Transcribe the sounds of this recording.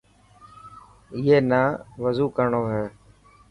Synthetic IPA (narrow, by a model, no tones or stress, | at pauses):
ɪjeːnaːʋəzuːkəɾɳoːɦeː